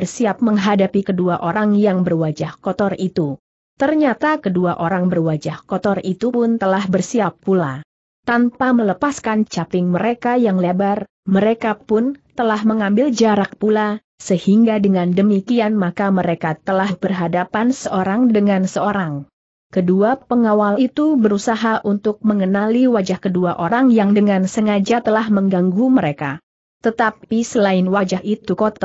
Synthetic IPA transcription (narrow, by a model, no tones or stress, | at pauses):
ərsiap̚məŋɦadapikəduaʔoɾaŋjaŋbərwad͡ʒahkɔt̪ɔrit̪u | t̪ərɲat̪akəduaʔoɾaŋbərwad͡ʒahkɔt̪ɔrit̪upʊnt̪əlahbərsiapːula | t̪anpamələpaskant͡ʃapɪŋməɾekajaŋlebar | məɾekapʊnt̪əlahməŋambɪld͡ʒaɾak̚pula | səhiŋɡadəŋandəmikianmakaməɾekat̪əlahhb̥ərɦadapansəʔoɾaŋdəŋansəoɾaŋ | kəduapəŋawalit̪ubəɾusaɦaʔunt̪ʊk̚məŋənaliwad͡ʒahkəduaʔoɾaŋjaŋdəŋansəŋad͡ʒat̪əlahməŋɡaŋɡuməɾeka̰ | t̪ət̪apisəlaɪnwad͡ʒaɦit̪ukot̪a